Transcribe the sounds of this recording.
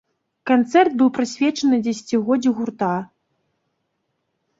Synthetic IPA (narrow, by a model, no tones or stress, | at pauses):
kant̪sɛrd̪̚bɨwpɾɨsʲvʲɛt͡ʂɐnɨd͡zʲɛsʲt͡sʲiɣɔd͡zʲiɣurt̪a